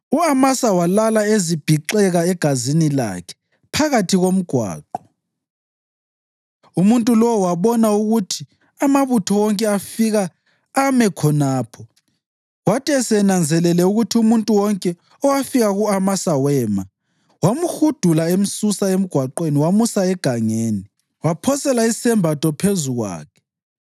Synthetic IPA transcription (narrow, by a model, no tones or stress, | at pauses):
uamasawalalaezib̥ʱiǃɛɣaɛɡ̥ʱazinila̰kʰɛ̥ | pʰaɣatʰiɣom̩ɡ̥ʱwa̰ːǃɔ | umuntʼulɔwaβɔnauɣutʰi̥ | amaβutʰɔwɔŋkʼɛafiɣaː | mɛkʰɔnaːpʰɔ | watʰʼɛsɛnand͡zʱɛlɛlɛuɣutʰiumuntʼuwɔŋkʼɛ | ɔwafiɣaɣuamasawɛːma | wamuxud̥ʱulaem̩susaem̩ɡ̥ʱwaǃweniwamusaɛɡ̥ʱaŋeːni | wapʰɔsɛlaisɛmbʱatʰʼɔpʰezuɣwa̰ːkʰɛ̥